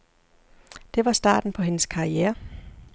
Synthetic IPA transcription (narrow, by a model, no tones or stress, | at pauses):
d̥e̝ʋɑ̈sd̥ɑ̰̈ːd̥n̩pʰɒ̽ɦe̝nəskʰɑ̈iɛːɐ